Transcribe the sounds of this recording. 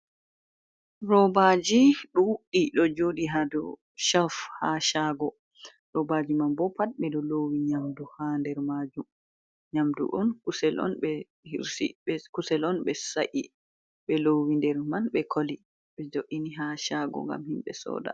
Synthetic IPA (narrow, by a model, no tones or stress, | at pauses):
rɔbad͡ʒiɗɔwuɗiɗɔd͡ʒodiɦadɔ̰ | ʃafhaʃaɡɔ | ɾɔbad͡ʒimanbɔpat̚ɓɛdɔlowiɲamduhandɛɾmad͡ʒum | ɲamdṵʔɔnkusɛlɔ̰nɓɛ | hiɾsḭɛkusɛlɔnɓɛsaʔi | ɓɛlowindɛɾmanɓɛkʰoli | ɓɛd͡ʒoʔiniɦaʃaɡɔ̰ŋɡa̰mhimɓɛ̰sɔ̰ːda̰